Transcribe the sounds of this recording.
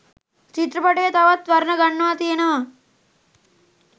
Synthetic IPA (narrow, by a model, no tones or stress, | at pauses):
t͡ʃit̪ɾɐpɐʈeːt̪ɐʋɐt̪ʋɐɾnɐɡɐɳːaːt̪inɐ